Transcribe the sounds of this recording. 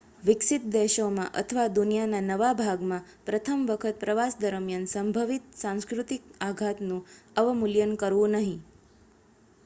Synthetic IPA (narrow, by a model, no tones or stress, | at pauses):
ʋɪksit̪̚d̪ɛʃomãʔət̪ʰəʋad̪unijananəʋabʱaɡmãpɾət̪ʰəmʋəkʰət̪̚pɾəʋasd̪əɾəmjansəmbʱəʋit̪̚sãw̃skɾut̪ik̚aɡʱat̪nũəʋmuljənkəɾʋũnəɦĩ